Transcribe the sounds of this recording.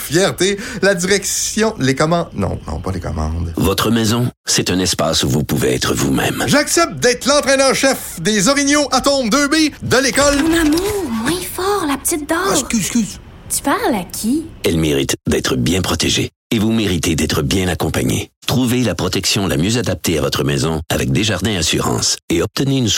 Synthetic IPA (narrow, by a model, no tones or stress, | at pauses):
fjɛʁt̪elad͡ziʁɛksjɔ̃lekɔmɑ̃d̪nɔ̰̃nɔ̰̃pʌlekɔ̰mɑ̰̃d̪vɔt̪χəmɛzɔ̃sɛt̪ɛ̃nɛspa̰suvupuveɛ̰t̪χəvṵmɛ̰̃mʒaksɛp̚t̪̚d̪ɛːt̪lɑ̃t̪ʁɛnœʁʃɛfd̪ezɔʁinjoʔat̪ɔ̃md̪øːbed̪əlekɔlnamuʁmwɛ̃fɔːʁlapə̥t̪it̪̚d̪ɔːskyskʲyz | t̪y̥paʁlakʲʰiɛlmeʁit̪d̪ɛːt̪χəbjɛ̃pχɔt̪eʒḛ | evumeʁit̪ed̪ɛːt̪ʁəbjɛ̃nakɔ̃pa̰ɲḛt̪χuvelapχɔt̪ɛksjɔ̃lʔa̰mjøzad̪ap̚t̪eavɔt̪χəmɛzɔ̃a̰vɛk̚d̪eʒaʁd̪ɛ̃asyʁɑ̰̃ːseɔp̚t̪əneyn